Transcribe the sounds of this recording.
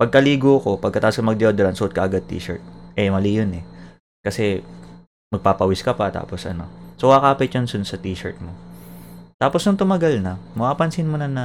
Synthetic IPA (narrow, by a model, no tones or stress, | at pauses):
pɐɡ̚kɐliːɡoɐko̞pɐɡ̚kːɐt̪aːposkɐmɐɡ̚d̪ɪʔod̪ɛɾɐnsʊʔʊd̪̚kɐʔɐɡad̪̚t̪ḭːʃɐ̰ɹt̪̚ʔɛmɐlijonɛ | kɐsɛ | mɐɡ̚paːpɐwɪskɐpɐt̪a̰ːpo̞sʔɐ̰no̞̰sowɐkaːpɪt̪̚jʊnsʊnsɐt̪iːʃɐ̰ɹt̪̚mo | t̪aːposnʊŋt̪ʊmɐɡalnɐmɐʔaːpɐnsɪnmonɐnɐ